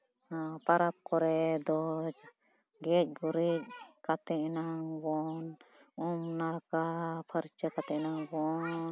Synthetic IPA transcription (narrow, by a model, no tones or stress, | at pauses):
paɾap̚kɔɾɛd̪ɔd͡ʒ | ɡɛc̚ˀɡuɾic̚kat̪ɛʔnaŋbɔnumnaɽkapʰəɾit͡ʃakat̪ɛʔnaŋbɔn